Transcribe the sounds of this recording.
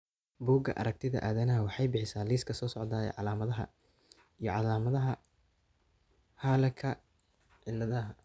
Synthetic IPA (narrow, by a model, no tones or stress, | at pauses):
buːɡɐ̰ʔɐ̰ɾɐk̚t̪ʰɪðɐ̰ʔaːðɐnɐɦɐwɑħɑjbɪħɪsaːliːskʰɐsɔːsɔʕd̪aːjɛ̰ʕɑ̰laːmɐðɐɦɐ̰ | ijɞʕɑlaːmɐðɐɦɐ | haːlɐkʰɐ | ʕɪlːɐðɐɦɐ